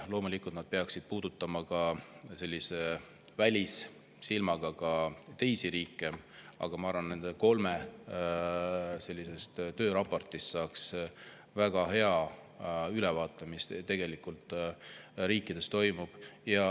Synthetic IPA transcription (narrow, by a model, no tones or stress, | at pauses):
lo̞ːmulikːˑult̪nɑd̪̥̚pe̞ɑksid̪̥̚puːd̪̥ut̪ːˑɑmɑkɑse̞lʲːise̞ | vælʲis | silmɑɡ̥ɑkɑt̪e̞jsiɾiːkːˑe̞ɑ̰ɡ̥ɑmɑɑɾvɑnne̞nd̪̥eko̞lme | se̞lʲːise̞st̪t̪ø̞ːɾɑpˑo̞rt̪ist̪sɑːks | væɡ̥ɑɦe̞ɑ | ylɛvɑːt̪ˑːɑmist̪e̞ɡ̥e̞likult̪ːˑ | ɾiːkːˑid̪̥e̞st̪o̞jmub̥jɑ